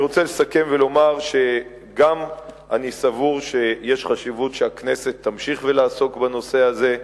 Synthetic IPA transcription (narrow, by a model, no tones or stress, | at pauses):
ʁo̞t͡selesake̞mve̞lo̞maʁʃe̞ | ɡam | anisavuʁʃe̞jeʃχaʃivutʃeakne̞se̞t̪ːamʃiχvelaːso̞kbano̞se̞aze̞